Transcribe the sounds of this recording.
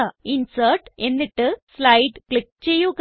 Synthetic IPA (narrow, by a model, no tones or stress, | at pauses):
ainsəɾʈeniʈəslajʈklik̚t͡ɕejoɡ